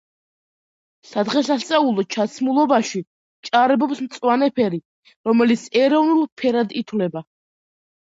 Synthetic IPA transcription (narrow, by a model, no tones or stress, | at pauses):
sad̪ʁɛsast̪sʼaulˠɔt͡ʃʰat̪sʰmulˠɔbaʃi | t͡ʃʼaɾɛbɔpsmt̪sʼwanɛpʰɛɾi | ɾɔmɛlit̪sʰɛɾɔvnulˠpʰɛɾad̪it̪ʰwlɛba